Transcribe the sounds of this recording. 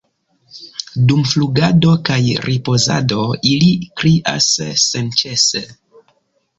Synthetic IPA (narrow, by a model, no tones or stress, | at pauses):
dumfluɡado̞kajɾʔipo̞za̰do̞ilikɾiʔa̰sːent͡ʃese